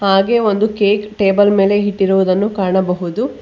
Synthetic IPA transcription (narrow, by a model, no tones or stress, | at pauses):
haːɡe̞ːo̞nd̪ukeːkʈeːbɐlme̞ːle̞ɦiʈːiɾuʋud̪ɐnːukaːɳɐbɐɦud̪u